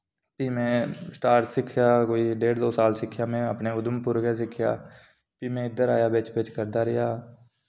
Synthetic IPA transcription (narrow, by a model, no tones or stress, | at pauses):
piːmẽsʈaːɾsɪkʰjakoːiɖeːɽd̪oːsaːlsɪkʰjamẽəpneʊd̪əmpʊɾkes̬ɪkʰja̰ː | piːmẽɪd̪əɾaːjabeːt͡ʃbeːt͡ʃkəɾd̪aɾɛjaː